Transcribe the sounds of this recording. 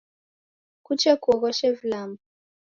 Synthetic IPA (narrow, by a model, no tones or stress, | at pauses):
kut͡ʃɛkuɔɣɔʃɛvlamu